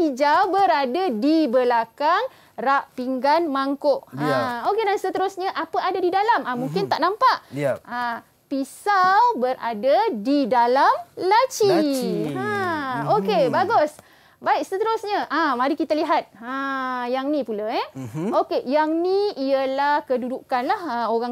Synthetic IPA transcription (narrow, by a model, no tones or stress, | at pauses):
id͡ʒawbəɾadadibəlakaŋ | raʔpiŋɡanmaŋkoʔãokedansət̪əɾʊsɲaʔapəadadidalamãmuŋkɪnt̪aʔnampaʔa | pisawbəɾa̰dadidalamlat͡ʃi | aokebaɡʊs | baɪk̚sət̪əɾʊsɲəʔãmaɾikit̪aliɦat̪̚ajaŋnipulaɛokejaŋniiəlahkədudukanlahaoɾaŋ